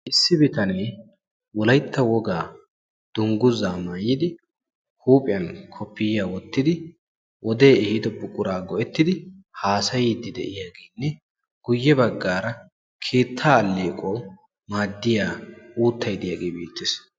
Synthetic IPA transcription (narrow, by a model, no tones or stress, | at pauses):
ʔɪsːɪbɪt̪ɐneː | wɔlɐjt̪ʰːɐwɔɡaː | d̪̥ʊŋɡʊzaːmaːjːɪd̪ɪ | huːpʼɪjɐnkʰɔpːɪjaːwɔt̪ːɪd̪ɪ | wɔd̪e̞ːɪhɪd̪ɔpːʊkʼːʊɾaːɡɔʔɛt̪ːɪd̪ɪhaːsɐjiːd̪ːɪd̪ɛ̰ʔɪjaːɡeːnːɛ | ɡ̥ʊjːɛbɐɡːaːɾɐ | kʰe̞ːt̪ʰːaːlːeːkʼoː | maːd̪ːɪjaːuːt̪ʰːɐjd̪ɪjaːɡeːbeːt̪ːɪs